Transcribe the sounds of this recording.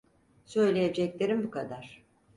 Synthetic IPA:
sø̞jlʲejed͡ʒɛclʲe̞ɾimbukʰad̪aɾ̥

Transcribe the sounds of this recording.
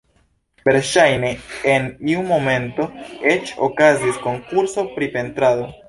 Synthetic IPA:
be̞ɾʃajne̞ːniumo̞me̞nto̞et͡ʃo̰kazisko̞ŋkuɾso̞pɾipe̞ntɾado̞

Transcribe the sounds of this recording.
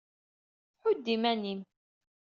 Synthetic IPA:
ħʊd̪ːimænim

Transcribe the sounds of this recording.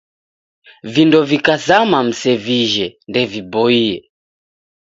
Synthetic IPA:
vindɔvikazamam̩sɛviʒɛndɛvibɔiɛ

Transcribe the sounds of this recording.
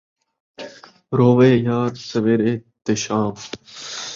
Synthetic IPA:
ɾoːʋeːjaːɾsɐʋeɾeːt̪eɕaːm

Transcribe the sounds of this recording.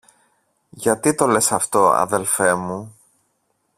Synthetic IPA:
ʝɐt̪it̪o̞le̞sɐft̪o̞ɐ̰ðe̞lfe̞mu

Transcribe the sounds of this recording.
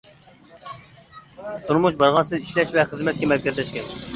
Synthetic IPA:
t̪ʰuɾmuʃbɑɾʁɑnsɨziʃlɛʃvɛχəzmɛt̪̚kʲɛmɛɾkʲɛzlɛʃkʲɛ

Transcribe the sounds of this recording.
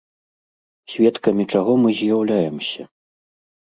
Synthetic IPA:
sʲvʲɛt̪kɐmʲit͡ʂaɣɔmɨzʲjawlʲajɛmsʲɐ̰

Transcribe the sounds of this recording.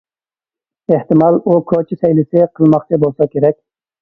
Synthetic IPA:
eht̪ɪmɑlˠukʰɑt͡ʃʰɪsɛjlɪsɪqʰəlˠmɑqt͡ʃʰɪbolˠsɑkʲeɾɛkʲ

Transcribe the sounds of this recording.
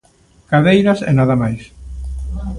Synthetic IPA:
kaðejɾɐsḛnaðɐmajs

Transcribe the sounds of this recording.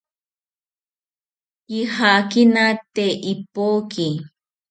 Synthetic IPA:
jihakinat̪eʔipoːki

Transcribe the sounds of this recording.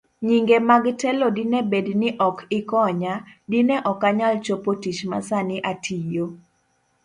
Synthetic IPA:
ɲiŋɡemaɡtɛlɔdinebednɪʔɔkɪkɔɲadinɛʔɔkaɲalt͡ʃopotit͡ʃma̰sanɪʔatʰijo

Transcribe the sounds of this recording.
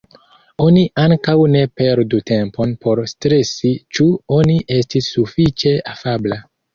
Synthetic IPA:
o̞niʔaŋkawne̞pe̞ɾdute̞mpo̞npʰo̞ɾstɾe̞sit͡ʃuo̞niʔe̞stisːufit͡ʃe̞afabla

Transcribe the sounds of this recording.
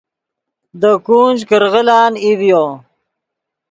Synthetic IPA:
d̪əkuːnd͡ʒkəɾɣəlaːnivjoː

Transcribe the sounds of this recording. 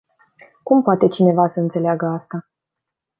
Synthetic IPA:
kumpoat̪e̞t͡ʃine̞vasəɨnt̪se̞leaɡəast̪a

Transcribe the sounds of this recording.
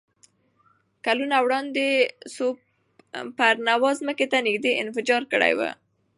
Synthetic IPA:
kalunawɽɑnd̪eso | pəɾnawɑzməket̪anɪɡd̪eʔɪ̰nfɪd͡ʒɑɾkəɽa̰jwə̰

